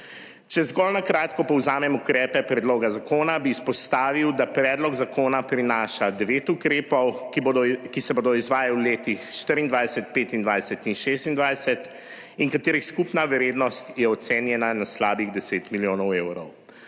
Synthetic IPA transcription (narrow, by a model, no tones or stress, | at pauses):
t͡ʃɛzɡɔlnakɾaːt̪kɔpɔwzaːmɛmukɾɛːpɛpɾɛd̪loːɡazakoːnabiːspɔst̪aːʋiwd̪apɾɛːd̪lɔɡzakoːnapɾinaːʃad̪ɛʋeːt̪ukɾeːpɔwkkisɛboːd̪ɔizʋaːjawleːt̪ixʃt̪əɾind̪ʋajsɛt̪̚peːt̪ind̪ʋajsɛt̪inʃeːst̪ind̪ʋajsɛt̪ | iŋkat̪eːɾixskupnaʋɛɾeːd̪nɔst̪jɛɔt̪seːnjɛnanaslaːbiɣd̪ɛseːt̪miljoːnɔweːwɾɔw